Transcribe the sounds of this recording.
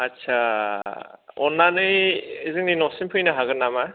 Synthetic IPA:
atsʰa | ɔnːanɯjiziŋninɔsinpʰɯjnɯɦaɡɯnːama

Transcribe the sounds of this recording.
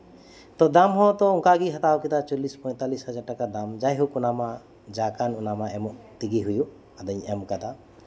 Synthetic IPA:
t̪ɔd̪amɦɔ̃t̪ɔuŋkaɡiɦat̪awkit̪at͡ʃɔlispɔjt̪alishad͡ʒaɖ̚ʈakad̪amd͡ʒajɦukunama | d͡ʒakanunamaɛmɔʔt̪iɡiɦuju | ad̪əɲɛmkad̪a

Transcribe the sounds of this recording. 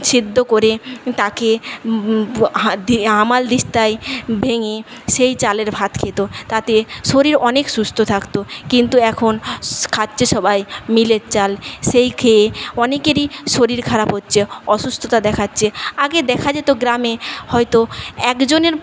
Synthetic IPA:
t͡ɕʰid̪ʱːokoɾet̪ake | d̪iɦamald̪iʃt̪ajbʱeŋeʃejt͡ɕaleɾbʱat̪kʰet̪ot̪at̪eʃoɾiɾɔnekʃust̪ʰot̪ʰakt̪okint̪uɛkʰonkʰadd͡ʑeʃɔbʱajmileɾt͡ɕalʃejkʰeeɔnekeɾiʃoɾiɾkʰaɾapɦotːɕʰeɔʃust̪ʰot̪ad̪ɛkʰatːɕʰeaɡed̪ɛkʰad͡ʑet̪oɡɾamehɔjt̪oɛkd͡ʑoneɾ

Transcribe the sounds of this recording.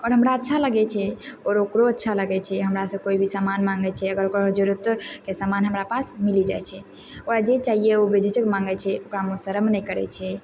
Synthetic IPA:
ɔːɾɦəmɾaətːʃʰaləɡɛt͡ʃʰɛɔːɾokɾoətːʃʰaləɡɛt͡ʃʰɛɦəmɾasə̃koibʱisamanmaŋɡɛt͡ʃʰɛəɡəɾokɾod͡ʒəɾut̪kesamanɦəmɾapasmilid͡ʒajt͡ʃʰɛ | oɾad͡ʒet͡ʃaɦijeobed͡ʒʱet͡ʃəkmãŋɡɛt͡ʃʰɛokɾamosəɾəmnəikəɾɛ̰t͡ʃʰɛ

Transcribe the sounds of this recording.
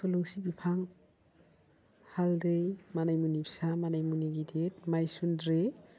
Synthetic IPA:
sɔluŋsibipʰaŋ | haldɯjmanajmunipʰsamanajmuniɡidetmajsundɾe

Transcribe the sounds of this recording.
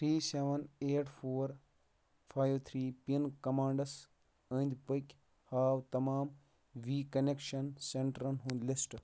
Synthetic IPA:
t̪ʰɾiːseʋɐneːʈʰfʰoːɾ | fʰaːjʋt̪ʰɾiːpinkɐmaːɳɖɐs | ənd̪ʲpəkʲ | haːwt̪ɐmaːm | ʋiːkɐnekʃɐnseɳʈɐɾɐnɦũːnd̪lisʈ

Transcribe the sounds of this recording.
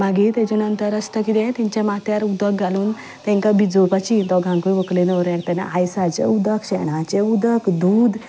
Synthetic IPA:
maɡit̪ɛ̃t͡ɕanənt̪əɾasʈəkit̪ẽt̪ĩɲt͡ɕjamat̪jaɾud̪əkɡaluːn | t̪ɛ̃ŋkabid͡zopat͡ɕit̪ɔɡʱãŋkuʋəklenəʋɾjaɡ̚t̪ana̰ʔajsat͡ɕeud̪əkɕɛɽ̃at͡ɕeud̪əkd̪uːd̪

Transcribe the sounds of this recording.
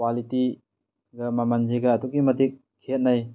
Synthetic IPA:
kwaliti | ɡɐmamand͡ʒiɡɐːduɡimɐdik̚ʰːet̚naj

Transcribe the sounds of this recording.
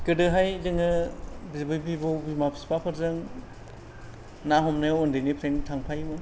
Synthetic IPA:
kɯdɯɦajzɯŋɯbizbɯjbʰibɔwbimapʰi̥spʰapʰɯɾzɯŋ | naɦɔmnajwɔndɯjnipʰɾentʰaŋpʰajmɯ

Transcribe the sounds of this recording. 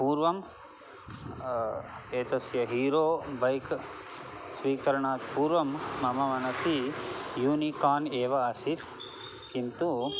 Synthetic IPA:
puːɾʋɐm | eːt̪ɐsjɐɦiːɾoːbɐjk | sʋiːkɐɾɐɳaːt̪puːɾʋɐmːɐmɐmɐnɐsijuːnikaːneːʋɐɐsit̪ | kint̪u

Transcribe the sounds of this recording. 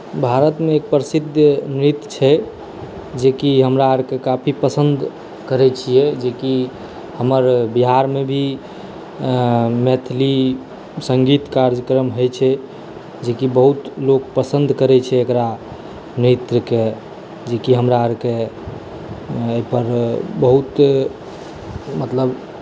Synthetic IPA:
bʱaɾət̪meːk̚pɾəsid̪ʱjənɾit̪t͡ʃʰɛ | d͡ʒekiɦəmɾaəɾkekapʰipəsənd̪ʱ | kəɾɛt͡ʃʰijɛd͡ʒeki | həməɾbiɦaɾmebʱi | met̪ʰli | səŋɡit̪kaɾd͡ʒəkɾəmɦojt͡ʃʰɛ | d͡ʒekibəɦut̪lokpəsənd̪ʱkəɾɛt͡ʃʰɛːkɾa | net̪ɾəke | d͡ʒekiɦəmɾaəɾke | əipəɾbəɦut̪ | mət̪ləb

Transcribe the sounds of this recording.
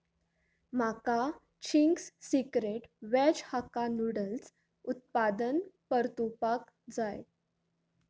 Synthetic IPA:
m̤aka | t͡ɕʰiŋɡsːikɾeʈʋɛd͡ʑhakanuɽəls | ut̪̚pad̪ənpəɾt̪upak | d͡zaj

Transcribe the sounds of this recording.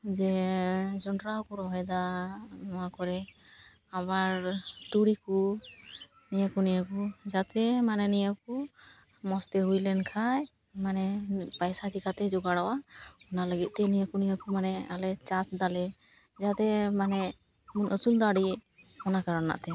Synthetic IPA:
d͡ʒɛ | d͡ʒɔɳɖɾawkuɾɔɦɔjd̪anɔwakɔɾɛ | abaɾt̪uɽiku | nijəkunijəkud͡ʒat̪ɛmanɛnijəku | mɔst̪ɛɦujlɛnkʰaj | manɛpajsad͡ʒikat̪ɛd͡ʒɔɡaɽawaɔnaləɡit̪̚ˀt̪ɛnijəkunijəkumanɛalɛt͡ʃasd̪alɛ | d͡ʒat̪ɛmanɛ | munʔəsund̪aɽi | kɔnakaɾɔna̰ʔt̪ɛ

